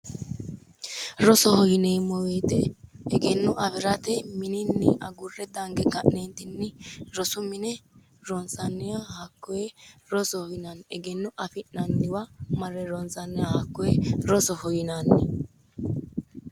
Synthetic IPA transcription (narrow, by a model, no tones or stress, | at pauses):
ɾɔsɔhɔjɪneːmɔweːt̪ɛɛɡɛnːʊʔɐfɪɾɐt̪ɛmɪnɪnːɪ̰ʔɐɡʊrːɛd̪ɐŋɡɛɡɐʔnent̪ɪnːɪɾɔsʊmɪnɛ | ɾɔnt͡sɐnːɛjahɐkːɔjɛɾɔsɔhɔjɪnɐnɛɡɛnːʊʔɐfɪnːɐnːɪwɐmɐrːɛɾɔnt͡sɐnːɛjahɐkːɔjɛɾɔsɔhɔjɪnanːɪ̰